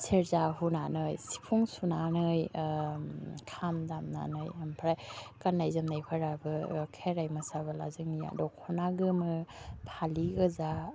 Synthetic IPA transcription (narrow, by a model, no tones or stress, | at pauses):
sʰeɾzaɦunanɯjsi̥pʰuŋsunanɯj | kʰamdamna̰nɯjampʰɾajkanːajzɯmnajpʰaɾabɯkʰeɾajmɯsabala̰zɯŋnija̰dɔkʰɔnaɡɯmɯpʰaliɡɯza